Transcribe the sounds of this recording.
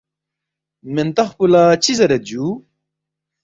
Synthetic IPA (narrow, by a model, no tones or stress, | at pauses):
ment̪ɐχpulat͡ɕizɐɾɐd͡ʑu